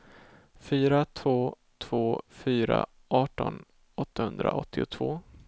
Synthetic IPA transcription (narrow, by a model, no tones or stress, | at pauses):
fyːɾat̪ʰvoː | t̪ʰv̥oːfyːɾa̰ | ʔɑːʈɔn | ɔt̪ʰːahɵnd̪ɾaʔɔt̪ʰːɪʊt̪ʰvoː